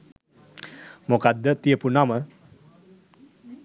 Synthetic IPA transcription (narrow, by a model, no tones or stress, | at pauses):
mokad̪ːət̪iəpunamə